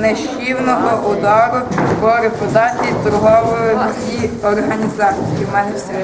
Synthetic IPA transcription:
nɛʃt͡ʃiwnɔɦɔʔʊd̪ɑɾʊpɔɾɪpɔd̪ɑtʲit̪ɔɾɦɔʋɔjʊ | iɔrɦɐnʲizɑt͡sʲijimɑnɪsʲɛ

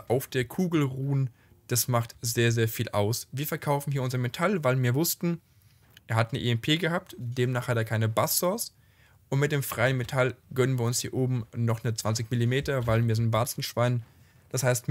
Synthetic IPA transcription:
ʔaʊfd̥eːɐkʰuːɡl̩ʁuːn | d̥asmaχtz̥eːɐzeːɐfiːlʔa̰ʊsviːɐfɛɐkʰaʊfn̩hiːɐʊnzɐmetʰalvaɪlviːɐvʊstn̩ | ʔeːɐɦatnəʔḛːɛmpʰeːɡəhaːp̚td̥eːmnaːχhateːɐkʰaɪnəbasɔs | ʊntmɪt̚d̥eːmfʁ̥aɪənmetʰalɡ̥œnənviːɐʊnshiːɐʔoːbm̩nɔχnət͡sv̥ant͡sɪçmɪlimeːtɐvaɪlviːɐzɪntvaɐt͡sn̩ʃv̥aɪn | d̥ashaɪst

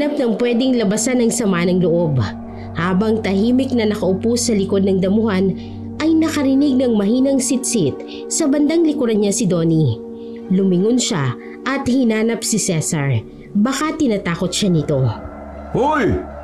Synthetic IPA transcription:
ap̚nɐŋpwɛd̪ɪŋlɐbɐsanɐŋsɐmanɐŋloʔo̞b | haːbɐŋt̪ɐhiːmɪk̚nɐnɐkɐʔʊpusːɐlɪko̞d̪̚nɐŋd̪ɐmʊhan | ʔɐjnɐkɐɾɪnɪɡ̚nɐŋmɐɦiːnɐŋsit̪sit̪̚ | sɐbɐnd̪aŋlɪkʊɾɐnɲasɪd̪o̞ːni | lʊmɪŋʊnʃa̰ | ʔɐt̪̚hɪnaːnɐp̚sɪsɛsɐɹ | bɐkat̪ɪnɐt̪aːkot̪̚ʃanɪt̪o̞ | hoj

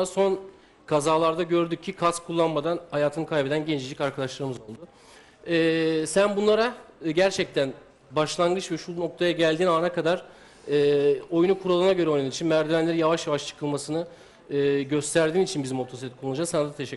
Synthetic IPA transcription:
aso̞n | kʰazaːlˠaɾd̪aɟø̞ɾd̪yc̚ʰːikʰaskʰulˠːanmad̪anhajaːt̪ʰɯnɯkʰajbed̪ænɟend͡ʒʰid͡ʒicaɾkʰad̪aʃlˠaɾɯmɯzo̞lˠd̪ʊ | ɛːsænbunlˠaɾaɟæɾt͡ʃʰɛc̚t̪ʰæn | baʃlˠanɡɯt͡ʃvɛʃuno̞k̚t̪ʰajaɟælʲd̪iːnaːnakad̪aɾ̥ | ɯːo̞junukʰuɾalˠɯnaɟø̞ɾɛo̞jnuaɾit͡ʃʰinmæɾd̪ilʲænlʲeinjavaʃjavaʃt͡ʃʰɯ̥kʰɯlˠmasɯnɯː | ɟø̞st̪ʰæɾd̪iːnit͡ʃʰinbizimo̞t̪ʰo̞sit̪et̪ikouud͡ʒasanad̪at̪ʰeʃɛ

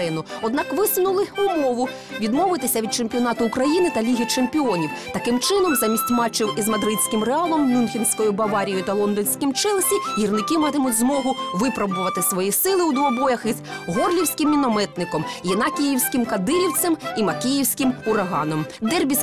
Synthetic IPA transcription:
ɪnʊɔd̪nɑkʋɪsʊnʊlˠɪumɔʋʊ | ʋʲid̪mɔʋɪt̪ɪsʲɐʋʲid̪̚t͡ʃemʲpʲiɔn̪ɑt̪ʊʊkɾɐjinɪt̪ɐlʲiɦʲit͡ʃemʲpʲiɔnʲiwt̪ɐkɪmt͡ʃɪn̪ɔmzɑmʲisʲtʲmɑt͡ʃːiwizmɐd̪ɾɪdʲsʲkɪmreɑlˠɔmnʲunxʲinsʲkɔjʊbɐʋɑɾʲijʊt̪ɐlˠɔnd̪ɔnʲsʲkʲimt͡ʃɛlˠsʲijirnɪkɪmɑt̪ɪmʊtʲzmɔɦʊʋɪpɾɐbʊʋɐt̪ɪsʋɔjisɪlˠɪwd̪ʋɔbɔjɐxizɦɔrlʲiwsʲkɪmːʲinɔmɛt̪nɪkɔmjɪnɑkʲijiwsʲkɪmkɐd̪ɪɾʲiwt̪sɛmimɐkʲijiwsʲkɪmʊɾɐɦɑ̰nɔmd̪ɛrbʲisʲ

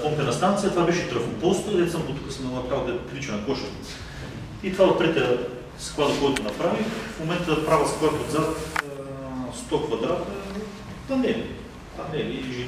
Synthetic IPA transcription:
pɔmt̪ɛnɐst̪ant̪sijət̪vabɛʃɛt̪ɾəfopɔst̪əd̪ɛt̪sambot̪u̥kəsmɐlˠat̪kavod̪ɛplit͡ʃɛnɐkɔʃə | it̪ovaot̪̚pɾɛt̪ʲɐ | skvˠad̪ɐkɔjt̪ʊnɐpɾavifmomɛnt̪əpɾavɐskat̪od̪zat̪ | st̪ɔkvɐd̪ɾat̪ɐ | t̪ɐnɛ | t̪ɐnɛliʒi

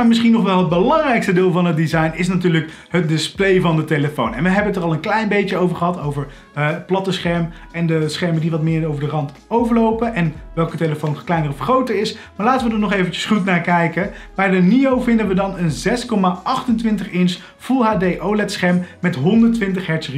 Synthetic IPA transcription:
amɪsχinɔχʋɛlˠɦəd̚bəlɑŋrɛjkstədɪːlˠvɑnɦət̚dizɑjnɪs̬natyːɹlək | ɦət̚dɪsplejvɑndəteləfownɛnʋəɦɛbənətərɑlˠənklɛjnbejəowvəɹχəɦɑtowvəɹ | əplɑtəsχɛɹm | ɛndəsχɛɹmədiʋɑtmɪːɹowvəɹdərɑnt | owvəɹlowpəʔɛnʋɛlˠkəteləfownklɛjnərɔfχrowtəɹɪs | maːɹlaːtəʋədəɹnɔχejvənt͡ʃə̥sχutnaːɹkɛjkə | b̥ɛjdəniowvɪndənʋədɑnənzɛskɔmaʔɑχtəntʋɪntəχɪns | fulˠɦaːdejʔowlɛtsχɛɹmːɛtɦɔndəɹtʋɪntəχɦɛɹtsri

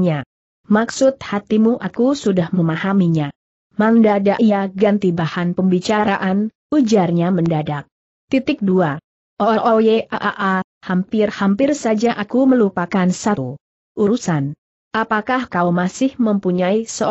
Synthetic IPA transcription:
ɲa | maksʊt̪̚hat̪imuʔakusudahməmahamiɲa | mandadaʔiaɡant̪ibahanpəmbit͡ʃaɾaʔan | ud͡ʒarɲaməndadak̚ | t̪it̪ɪk̚dua | ʔoʔɔjeaʔaʔa | hampɪrhampɪrsad͡ʒaʔakuməlupakansatu | ʔuɾusan | ʔapakahkaumasɪhməmpuɲaisə

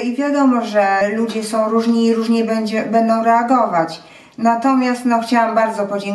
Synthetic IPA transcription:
ivʲjad̪ɔmɔʐɛlud͡ʑɛsɔ̃w̃ɾuʐɲiːɾuʐɲɛbɛd͡ʑɛbɛnd̪ɔ̃w̃ɾɛaɡɔvat͡ɕ | nat̪ɔmʲjast̪nɔxt͡ɕawambaɾd̪zɔpɔd͡ʑɛŋ

